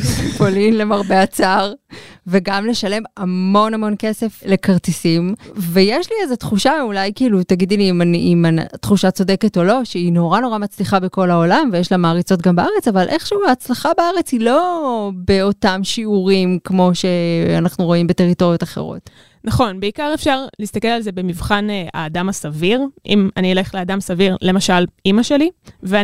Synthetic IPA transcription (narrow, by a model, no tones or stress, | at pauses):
polinlemaʁbe̞at͡saʁve̞ɡamle̞ʃale̞mamo̞namo̞nke̞se̞fle̞kaʁtisimve̞jeʃliezetχuʃaulajkiːlutaɡid̪limaniimat̪χuʃat͡so̞deketo̞lo̞ʃeino̞ʁano̞ʁamat͡sliχabeko̞laolamvejeʃlamaːʁit͡sot̬̚ɡambaaʁe̞t͡savalʔe̞χʃuːaːt͡slaχabaaʁe̞t͡shilo̞be̞o̞tamʃiuʁimkmo̞ʃe̞anaχnuʁo̞imbete̞ʁito̞ʁijo̞taχe̞̰ʁo̰t | naχo̞nbeikaʁe̞fʃaʁliːst̪akelalzebemivχana̰ːdamasaviʁʔimaniele̞χleadamsaviʁle̞maʃalimaʃe̞live